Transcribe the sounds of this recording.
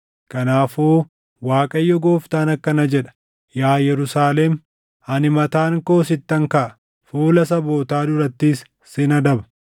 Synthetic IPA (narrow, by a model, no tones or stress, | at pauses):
kɐnaːfoː | waːkʼɐjːɔɡoːft̪aːnɐkːɐnɐd͡ʒɛᶑɐ̥ | jaːjɛɾʊsaːlɛm | ɐnɪmɐt̪aːŋko̞ːsɪt̪ːɐŋkɐʔɐ | fuːlɐsɐbo̞ːt̪aːd̪ʊɾɐt̪ːisː | ɪnɐd̪ɐbɐ̥